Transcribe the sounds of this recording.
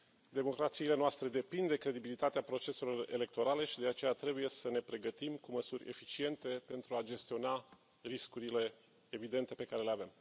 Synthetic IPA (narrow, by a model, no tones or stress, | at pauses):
d̪e̞mo̞kɾat̪siːle̞noast̪ɾe̞d̪e̞pind̪d̪e̞kɾe̞d̪ibilit̪at̪eapɾo̞t͡ʃe̞selo̞re̞̰le̞k̚t̪o̞ɾale̞ʃid̪e̞at͡ʃe̞jat̪ɾe̞buje̞səne̞pɾe̞ɡət̪imkuməsurʲe̞̰fit͡ʃie̞nt̪e̞pe̞nt̪ɾuad͡ʒe̞st̪io̞na | riskuɾile̞ː | vid̪e̞nt̪e̞pe̞kaɾe̞leave̞m